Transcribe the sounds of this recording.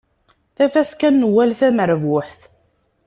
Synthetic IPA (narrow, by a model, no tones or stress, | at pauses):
θæfæskænːwːælθæməɾvwʊħθ